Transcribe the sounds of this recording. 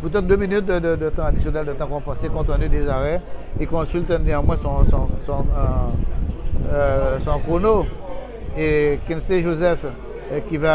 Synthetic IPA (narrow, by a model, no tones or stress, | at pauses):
pyt̪̬ɛt̪̚d̪øminyt̪̚d̪əd̪əd̪ət̪ɑ̃ad̪isjɔnɛld̪ət̪ɑ̃kɔ̃pãsekɔ̃t̪ɛ̃nyd̪ezaʁɛikɔ̃sylt̪ɛneãmwɛ̃sɔ̃sɔ̃sɔ̃ | sɔ̃kʁono | ekĩnseʒozɛf | kʲiva